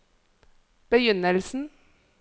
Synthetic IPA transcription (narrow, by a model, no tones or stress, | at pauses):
b̥əjʏnəlsn̩